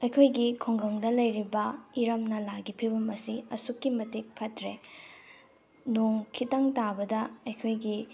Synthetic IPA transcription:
ɐjkʰojɡikʰoŋɡɐŋdɐlɐjɾibɐiɾɐmnɐlaɡipʰibɐmɐsiɐsukːimɐtik̚pʰɐtɾe | noŋkʰitɐŋtabɐdɐɐjkʰojɡi

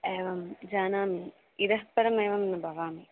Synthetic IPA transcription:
eːʋɐmd͡ʑaːnaːmi | id̪ɐɦpɐɾɐmeːʋɐmnɐbʱɐʋaːmi

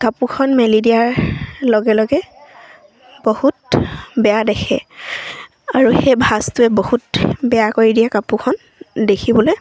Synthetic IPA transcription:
kapukʰɔnmɛlidijaɹlɔɡɛlɔɡɛ | bohutbɛjadɛkʰɛ̰ | aɹuxejbʱastʊɛbohutbɛjakoɹidijakapukʰɔn | dekʰibɔloj

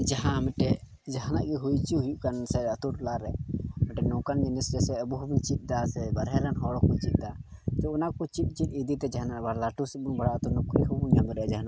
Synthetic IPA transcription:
d͡ʒaɦãmɛʈɛ | d͡ʒaɦana̰ʔɡɛɦujt͡ʃiɦujuʔkansɛɾaat̪uʈlaɾɛmɛʈɛnɔ̃kand͡ʒɛnisd͡ʒɛsɛəbuɦubuɲt͡ʃit̪̚ˀd̪asɛbəɾɦɛɾanɦɔɽɔkɔt͡ʃit̪̚ˀd̪a | t̪ɛɔnakɔt͡ʃit̪̚ˀt͡ʃit̪̚id̪it̪ɛd͡ʒaɦanaʔɾbaɽlaʈus̚bunbaɽat̪ɔnukɾiɦubuɲamɛɾɛɛd͡ʒaɦanaʔ

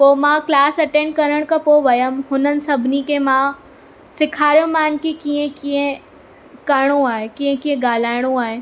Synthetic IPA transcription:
poːmãːklaːsɐʈẽːɳɖ̚kɐɾəɽ̃kapoːʋɐjəmhʊnənsɐbʱnikemãː | sɪkʰaːɾjõmaːnkikiẽkiẽ | kɐɾɽ̃õaːekiẽkiẽɡaːlaːɽ̃õaːe

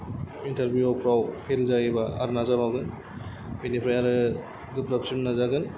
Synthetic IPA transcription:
intʰɐɾbjuɔpʰɾawpʰelzaɡibaa̰ɾnazabawɡɯn | pʰenipʰɾajaɾɯ | ɡɯpɾapsimnazaɡɯn

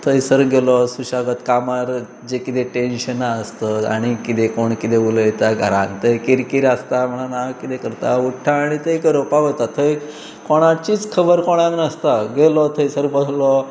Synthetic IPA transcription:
t̪ʰəjsəɾɡelɔsuɕaɡət̪kamaɾ | d͡ʑekit̪eʈenɕənast̪əa̰ɽ̃ikit̪ekoɳkit̪eʋulət̪aɡʱəɾãnt̪ʰəjkiɾkiɾast̪am̤əɽ̃anakit̪ekəɾt̪auʈʰːaːɽ̃it̪əjkəɾopaʋət̪at̪ʰəj | koɽ̃at͡ɕiːt͡skʰəbəɾkoɽ̃aknəst̪aɡelɔt̪ʰəjsəɾbədʱlɔ

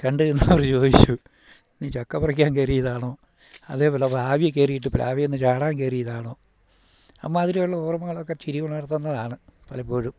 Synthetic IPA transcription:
kɐɳɖɨenːɐɐʋɐrt͡ɕo̞ːd̪it͡ɕːu | niːt͡ɕokːɐpɐrɐk̬ʲːaːnkerijɐðaːɳoː | ɐðe̞ːpoːlɐpːaːʋjɐkːeːrijiʈ̬ːɨpɐlaːʋijenːɨt͡ɕaːɽaːnkeːrijɐðaːɳoː | ɐmːaːðiɾijoɭːɐuːrɐmɐŋːɐɭokːet͡ɕiɾijoɳːɐrt̪ːɐnːɐðaːɳɨpɐlɐpːoːɻum

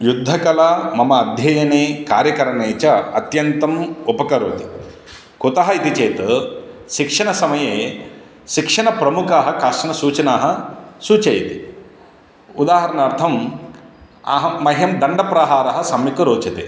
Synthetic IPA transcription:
jud̪ʱːɐkɐlɐmɐmɐːd̪ʱjɐjɐneːka̰ːɾjɐkɐɾɐɳeːt͡ʃɐɐt̪jɐnt̪ɐmupɐkɐɾoːt̪i̥ | kut̪ɐɦɐit̪it͡ʃeːt̪ɐʃikʂɐnɳɐsɐmɐjeː | ʃikʂɐɳɐpɾɐmukaːɦɐkaːʈɐnɐsuːt͡ʃɐnaːɦɐ̆suːt͡ʃɐjɐt̪i̥ | ud̪aːɦɐɾɐnaːɾt̪ʰɐm | ɐ̰ɦɐmɐɦjɐmd̪ɐɳɖɐpɾɐɦaːɾɐɦɐsɐmːikɐɾoːt͡ʃɐt̪ḛː

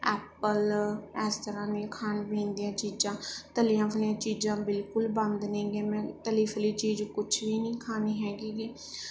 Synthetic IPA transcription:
ɛːpəlɛːst̪əɾaːnẽːkʰaːnbẽːnd̪ijãːt͡ʃiːd͡ʒãːt̪əlijãːpʰəlɪjãːt͡ʃiːd͡ʒãːbɪlkʊlbə̃nd̪nẽːɡẽːmɛ̃ːt̪əliːpʰəliːt͡ʃiːd͡ʒkʊt͡ʃʰʋiːnĩːkʰaːniːɦɛːɡiːɡiː

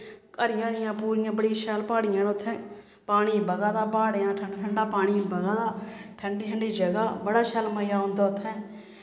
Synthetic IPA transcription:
kəɾɪjãːɾɪjãːpuːɾɪjãːbəɽiːʃɛlpaːɽɪjãːnʊt̪ʰːɛ̃ː | paːɽiːbəɡãːd̪aːpaːɽeãːʈʰəɳːʈʰəɳɖaːpaːɽ̃iːbəɡaːd̪aːʈʰəɳɖiːʈʰəɳɖiːd͡ʒəɡaːbəɽaːʃəlməjaːɦõnd̪aːʊt̪ʰːɛ̃ː

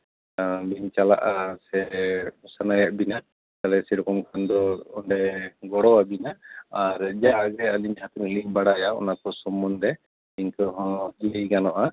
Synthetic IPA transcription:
biɲt͡ʃala̰ʔasɛsanajaʔbina | kalɛsɛɾɔkɔmkʰand̪ɔɔɳɖɛɡɔɽɔabinaːɾd͡ʒaɡɛaliɲhat̪unliɲbaɽajaɔ̰nakɔsɔmɔnd̪ɛ | iɲkɔɦɔ̃d͡ʒiliɡanɔʔa

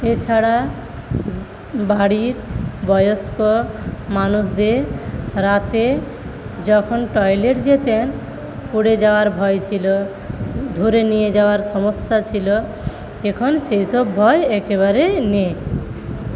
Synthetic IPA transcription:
et͡ʃʰaɽa | baɽiɾbɔjoskɔmanusd̪eɾat̪e | d͡ʒɔkʰɔnʈɔjleɾd͡ʒet̪en | kuɽed͡ʒaoaɾbʱɔjt͡ʃʰilo | d̪ʱuɾenijed͡ʒawaɾsɔmɔsjat͡ʃʰilɔ | ekʰɔnsejsɔbːʱɔjɛkeβaɾene

